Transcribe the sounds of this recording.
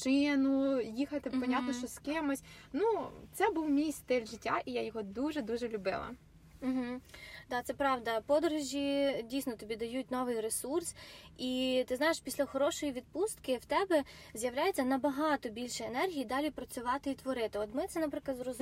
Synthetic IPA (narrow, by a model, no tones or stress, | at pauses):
t͡ʃɪnʊjixɐt̪ɪppɔnʲat̪nɔʃt͡ʃɔskɪmɔsʲnut̪sɛbuwmʲijst̪ɪlʲʒɪtʲːaʔijajɔɦɔd̪uʒɛd̪uʒɛlʲʊbɪ̰lˠɐ̰ | m̩ɦ̩d̪ɑt̪sɛpɾɑʋd̪ɐpɔd̪ɔɾʊʒʲidʲijsnɔt̪ɔbʲid̪ɐjut̚ʲnɔʋɪjresursit̪ɪznɑjeʃpʲisʲlʲɐxɔɾɔʃɔjiʋʲid̪̚pust̪kɪwt̪ɛbɛ | zʲjɐwlʲajet͡sʲːɐnɐbɐɦɑt̪ɔbʲilʲʃɔenɛrɦʲijid̪ɑlʲipɾɐt͡sʲʊʋɑt̪ɪit̪ʋɔɾɪt̪ɪɔt̪mɪt̪sɛnɐpɾɪklˠɐd̪zrɔz